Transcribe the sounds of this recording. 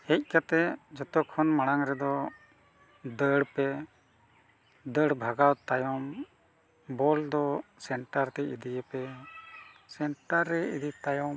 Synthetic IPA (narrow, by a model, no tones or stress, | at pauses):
hɛc̚ˀkat̪ɛd͡ʒɔt̪ɔkʰɔnmaɽ̃aŋɾɛd̪ɔ | d̪əɽpɛ | d̪əɽbʱaɡawt̪ajɔm | bɔld̪ɔsɛɳʈaɾt̪ɛid̪ijəpɛ | sɛɳʈaɾːɛid̪it̪ajɔ